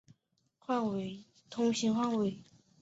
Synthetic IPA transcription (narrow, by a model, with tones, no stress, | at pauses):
xwa˥˩nwe˧˩ | t̪ʰʊ˧˥ŋɕi˧˥nxwa˥˩ŋwe˨˩ɪ